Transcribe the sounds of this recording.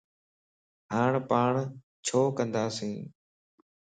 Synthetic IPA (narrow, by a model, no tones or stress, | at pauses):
ɦaːɳpaːɳ | t͡ʃʰoːkə̃nd̪aːsĩː